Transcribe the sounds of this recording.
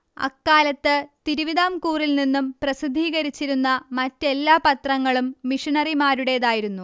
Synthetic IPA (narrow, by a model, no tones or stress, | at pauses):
ɐ̰kːaːlɐt̪ːɨt̪iɾuʋiðaːmkuːrilninːumprɐsid̪ʱːiːɣɐɾit͡ɕːiɾunːɐmɐtːe̞lːaːpɐt̪rɐŋːɐɭumːiʂiɳɐrimaːɾuɽe̞ðaːjiɾunːu